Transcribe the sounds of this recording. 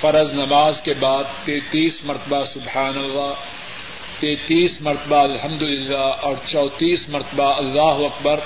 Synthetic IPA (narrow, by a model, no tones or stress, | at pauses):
fɐɾəznɐmaːzkebaːd̪̚t̪ẽːt̪iːsmɐɾt̪əbasʊbħaːnɐlːaː | t̪eːt̪iːsmɐɾt̪əbaɐlɦɐmd̪ʊlɪlːaːɔːɾt͡ʃɔːt̪iːsmɐɾt̪əbaɐlːaːɦʊɐkbɐɾ